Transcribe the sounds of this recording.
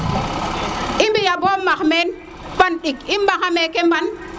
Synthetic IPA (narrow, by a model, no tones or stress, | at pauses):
ʔimbijabɔmːakmɛn | fanɗikimbaŋamekemban